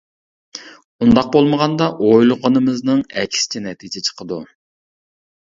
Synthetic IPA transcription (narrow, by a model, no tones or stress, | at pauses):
und̪ɑq̚bolˠməʁɑnd̪ɑʔojlˠʊʁənɨmɨznɨŋɛkʲʰsɪ̥t͡ʃʰɛnɛt̪ʰid͡ʒɛt͡ʃʰə̥qʰəd̪u